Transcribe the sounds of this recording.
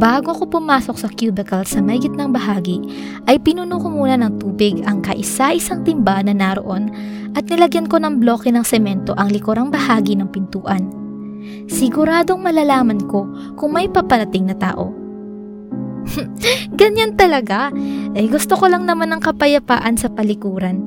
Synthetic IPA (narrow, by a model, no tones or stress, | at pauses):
baːɡoɐko̞pʊmaːso̞k̚sɐkjuːbɛkɐlsɐmɐɪɡɪt̪̚nɐŋbɐɦaːɡi | ʔɐjpɪnunuːkomuːnɐnɐŋt̪uːbɪɡɐŋkɐʔɪsaʔɪsaŋt̪ɪmbanɐnɐɾo̰ʔo̞n | ʔɐt̪̚nɪlɐɡjɐnko̞nɐŋblo̞ːkɛnɐŋsɛmɛnt̪o̞ʔɐŋlɪkoɾaŋbɐhaːɡinɐŋpɪnt̪uːʔɐn | sɪɡʊɾaːd̪o̞ŋmɐlaːlaːmɐnko̞ | kʊŋmɐjpɐpɐɾɐt̪ɪŋnɐt̪a̰ːʔo̞̰ | ɡɐɲant̪ɐlɐɡaʔɐjɡʊst̪oko̞lɐŋnɐmanɐŋkɐpɐjɐpa̰ːʔɐnsɐpɐlɪkuːɾɐn